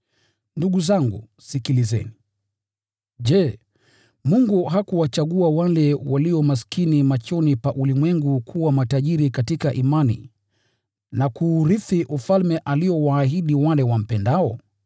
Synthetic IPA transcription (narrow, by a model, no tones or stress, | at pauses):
nduɠuzaŋɡṵ | sikilizɛ̰ni | ʄɛ | muŋɡuɦakuwat͡ʃaɠuawalɛwaliɔmas̬kinimat͡ʃɔnipaʔulimwɛŋɡukʰuwamataʄiɾikatikaʔimanḭ | nakuːɾifiʔufalmɛʔaliɔwaːɦiɗiwalɛwam̩pɛndaɔ